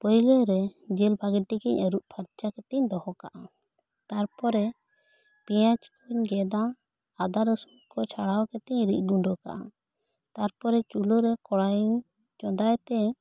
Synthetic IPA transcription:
pɔjləɾɛd͡ʒɛlbʰʱaɡɛʈikɛɲəɾuʔpʰaɾt͡ʃakɛt̪ɛɲd̪ɔhɔka̰ʔa | t̪aɾpɔɾɛ | pijãt͡ʃkʰuɲɡɛd̪ãː | d̪aɾəsut̪kɔt͡ʃʰaɽawkɛt̪ɛɲɾic̚ˀɡuɳɖɔka̰ʔa̰ | t̪aɾpɔɾɛt͡ʃuluɾɛkɔɽajuɲ | t͡ʃɔd̪ajt̪ɛ

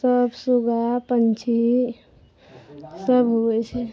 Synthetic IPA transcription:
səbsuɡapənt͡ʃʰi | səbɦoɛt͡ʃʰɛ

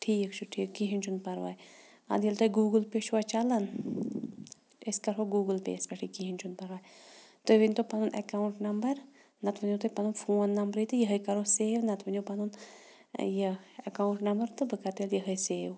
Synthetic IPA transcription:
ʈʰiːkt͡ʃʰuʈʰiːkːiɦinʲt͡ʃʰunpɐɾʋa̰ːj | ɐ̰d̪ijlt̪ɐjɡuːɡɨlpet͡ʃʰuat͡ʃalɐn | eskɐɾoɡuːɡəlpḛskɐʈʰikiɦinʲt͡ʃʰunpɐɾʋaːjt̪oʋinʲt̪opɐnunʔɐ̰kauɳʈnɐmbɐɾ | nɐt̪ʋɐnõt̪ɨpɐnunfʰoːnːɐmbɾit̪ɨjəɦəjkɐɾoːseːʋnɐt̪ʋɐnopɐnun | jəɐkaːuɳʈnɐmbəɾt̪ɨbɨkat̪eljəɦəjseːʋ

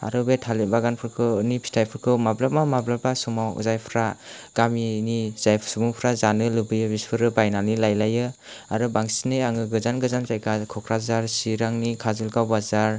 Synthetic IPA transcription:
a̰ɾɯbetʰalibaɡanpʰɯɾkʰɯnipʰi̥tʰajpʰɯɾkʰɯwmablap̚mamablabasumaw̰zajpʰɾaɡ̥aminiz̥ajsubuŋpʰɾazanɯlɯbɯjɯbispʰɯɾɯbajnanilajlajɯ | aɾɯbaŋsinɯjaŋɯɡɯzanɡɯzanzajkakʰɔkʰɾazaɾsiɾaŋnikʰazɯlɡawbazaɾ

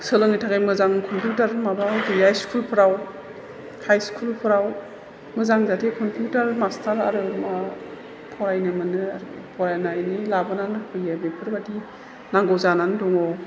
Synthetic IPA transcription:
sɯlɯŋijtʰaɡajmɯzaŋkʰɔmpʰijutaɾmabawdiajskʰulpʰɯɾaw | hajskʰulpʰɯɾaw | mɯzaŋzatʰekʰɔmpʰjutaɾmastʰaɾa̰ɾɯma | pʰɔɾajnɯmɯnɯaɾpʰɔɾajnajnilabɯnanɯkʰɯjabepʰɯɾbadi | naŋɡɔwzananɯdɔŋɔ

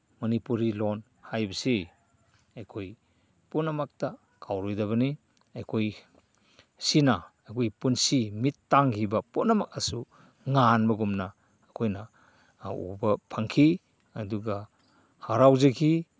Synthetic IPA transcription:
mɐnipuɾilon | hajbɐsi | ajkʰoj | punamak̚ta | kʰawɾɔjdaβɐni | ajkʰoj | sinaajkʰojpunsimitːaŋhibapunamak̚asu | ŋanbɐɡumnaː | kʰojna | ṵbɐpʰaŋkʰi | ɐduɡa | haɾawzekʰi

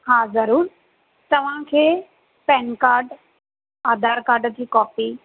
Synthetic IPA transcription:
haːzɐɾuːɾ | t̪ɐʋ̤ãkʰeː | pɛːnkaːɾɖ | aːd̪aːɾkaːɾɖt̪ʰiːkɔːpi

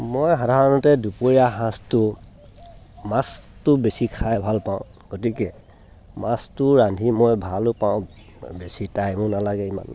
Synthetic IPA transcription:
mojɦadʱaɹɔnɔtɛdupoɹiaɦãstʊ | mãstʊbesikʰajbʱalpãʊ̃ | ɡ̥ot̬ikɛ | mãstʊɹandʱimɔjbʱalʊpaʊ̃ | besitajmʊ̃nalaɡɛima̰n

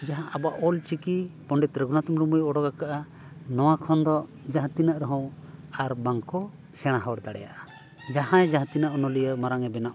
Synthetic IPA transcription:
d͡ʒaɦãʔabaʔɔlt͡ʃikipɔɳɖɛt̪ɾəɡunat̪umɾumujɔɽɔɡakaʔa | nɔwakʰɔnd̪ɔd͡ʒaɦt̪inaʔɾɔɦɔ̃waɾbaŋkɔ | sɛɽ̃aɦawɽd̪aɽɛ̰ja̰ʔa | d͡ʒaɦãɛd͡ʒaɦt̪inaʔɔnɔlijəmaɾaŋɛbɛnaʔ

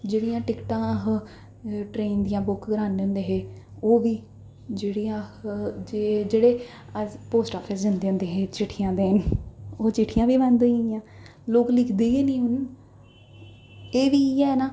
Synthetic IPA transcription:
d͡ʒeːɽijãːʈɪkʈãːɦ | ʈɾeːnd̪ɪjãːbʊkɡɾaːneʊ̃nd̪eːɦeː | oːʋiː | d͡ʒeːɽijãːd͡ʒeːd͡ʒeːɽeː | əpoːsʈaːpʰesd͡ʒənd̪eːʊ̃nd̪eːɦeːt͡ʃɪʈʰːɪjãːd̪eːnoːt͡ʃɪʈʰɪjãːʋiːʋɛ̃ːnd̪oijãː | loːklɪkʰd̪eːeːnĩːɦʊn | eːʋiːɛːnaː

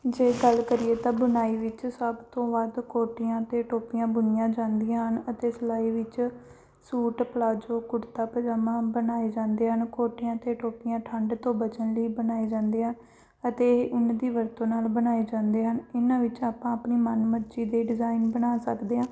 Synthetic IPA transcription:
d͡ʒeːɡəlkəɾɪeːt̪ãːbənaːiːʋɪt͡ʃsəbt̪õːʋəd̪koːʈɪjãːt̪eːʈoːpɪjãːbʊnɪjãːd͡ʒãːnd̪ijãːɦənət̪eːsəlaːiːʋɪt͡ʃ | suːʈpəlaːd͡ʒoːkʊɾt̪aːpəd͡ʒaːmãːbənaːed͡ʒãːnd̪eːɦənkoːʈɪjãːt̪eːʈoːpɪjãːʈʰə̃ɳɖt̪õːbət͡ʃənləiːbənaːeːd͡ʒãːnd̪eːɦən | ət̪eːʊnd̪iːʋəɾt̪õːnaːlbənaːeːd͡ʒãːnd̪eːɦənɪnãːʋɪt͡ʃaːpãːəpniːmənməɾd͡ʒiːd̪eːɖɪzaːɪnbənaːsəkd̪eːɦãː

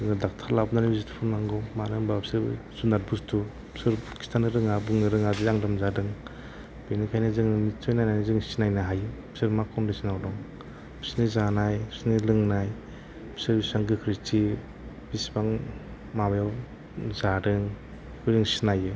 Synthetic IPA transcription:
ɯŋɯdak̚tʰalabnanibizitʰi̥pʰunmaŋɡɔmaɾɯŋbabsɯɾ̰sunaɾ̚bustʰu | sɯɾkʰi̥stʰanɯɾɯŋabɯŋnɯɾɯŋadiaŋdɯmzadɯŋ | b̥inikʰajnɯzɯŋnɯnitʰɔjnajnajnɯzɯŋsinajnaɦajɯ | sɯɾmakʰɔndisinawdɔŋ | bsnizanajsinilɯŋnaj | sɯɾbisaŋɡɯkʰɾitʰi | b̥isbaŋ | mabajaw | zadɯŋ | kujzɯŋsinajɯ

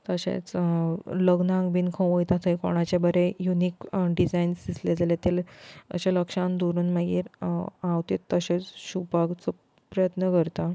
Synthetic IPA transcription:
t̪əɕḛ̃t͡s | ləɡnãŋɡbinkʰə̃ʋojt̪at̪ʰəjko̰ɽ̃at͡ɕabəɾejunikɖid͡zainsd̪isled͡zalet̪elə̰ɕaləkʂãnd̪oɾuːnmaɡḭːɾawt̪et̪ːəɕet͡sɕupaɡt͡sə | pɾəjət̪nəkəɾt̪a

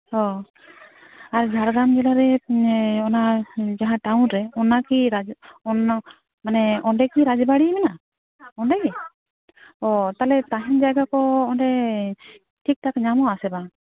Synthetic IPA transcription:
hɔ | aɾd͡ʒʱaɾɡamd͡ʒɛlaɾɛ | ɔnad͡ʒaɦãʈawnɾɛɔnakiɾad͡ʒɔn | manɛɔnɖɛkiɾad͡ʒɛbaɽimɛna | ɔnɖɛkɛ | ɔt̪alɛt̪aɦɛnd͡ʒajɡakɔɔnɖɛ | ʈʰik̚takɲamɔasɛba

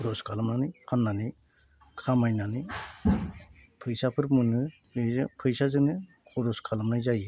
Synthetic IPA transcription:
kuɾɔskʰalɯmnanipʰanːani | kʰamajnani | pʰɯjsapʰɯɾmɯnɯ | ɯzɯpʰɯjsazɯnɯ | kʰɔɾɔskʰalamnajzajɯ

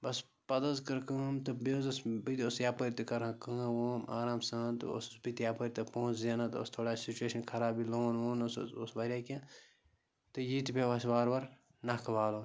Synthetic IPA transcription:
bɐs | pɐd̪ɐzkɐɾkɐːmt̪ɨbezɐsbit̪ʲosjaːpəɾʲt̪ɐkɐɾãːkɐːwoːmʔaːɾaːmsãːnt̪ɨ̰o̰sbit̪jaːpəɾʲt̪ɐpõːt͡ʃzeːnãt̪o̰st̪ʰoːɽaːsit͡ʃueːʃɐnkʰɐɾaːbiloːnwoːnososbɐɾʲaːkʲẽː | t̪ɨjiːt̪ipʲeʋɐsʲbaːɾʋɐɾ | nakʰɐʋaːloː

